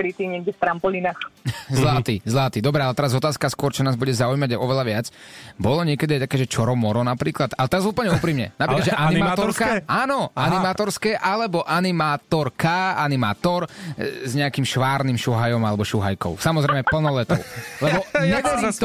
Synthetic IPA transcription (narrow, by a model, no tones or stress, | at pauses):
kɾit̪iːɲɛɡ̚ɟɛft̪ɾampɔlinaxzlat̪izlat̪iːd̪ɔbɾɛalɛt̪ɛɾazɔt̪aːskaskʊɔɾt͡ʃɔnaːzbuɟɛzaujmaɟaɪʔɔʋɛlaʋɪat͡sbɔlɔɲɪɛkɛd̪iajt̪akɛːʒɛt͡ʃɔɾɔmɔɾɔnapɾiːklat̪alɛt̪ɛɾazupəl̩ɲɛupɾiːmɲɛ̰napɾɾikadʒɛʔanimaːat̪ɔɔɾskaaːnɔanimaːt̪ɔɾskɛːʔalɛbɔʔanimaːt̪ɔɾkaanima̰ːt̪ɔɾzɲɛakimʃʋaːɾnimʃuɦajɔmalɛbɔʃuɦa̰jkɔ̰ʊsamɔzɾɛɪmɛpl̩nɔlɛt̪ɔʊlɛbɔɲɛʋɛ